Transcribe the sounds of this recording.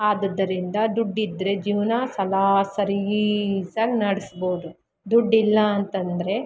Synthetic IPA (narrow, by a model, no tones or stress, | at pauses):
aːd̪ɐd̪ːɐɾind̪ɐd̪uɖːid̪ːɾe̞d͡ʒiːʋnasɐlaːsɐɾisaːɡnɐɽisboːd̪u | d̪uɖːilːɐːnt̪ɐnd̪ɐɾe̞